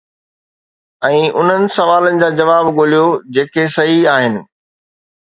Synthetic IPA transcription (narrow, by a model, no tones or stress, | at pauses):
ɛ̃ːʔʊn̤ənɪ̆sɐʋaːlənɪ̆d͡ʑaːd͡ʑɐʋaːbɠolijod͡ʑeːkʰesɐɦiaːɦɪnɪ̆